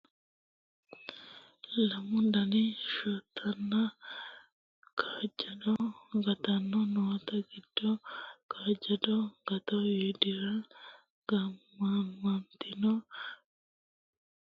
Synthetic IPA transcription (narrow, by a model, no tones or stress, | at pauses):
lamundaniʃot̪ʰana | kʰaɟadoŋɡat̪anonot̪aɡidːokʰaɟadoŋɡat̪ojidiɾa | ŋɡamamant̪ino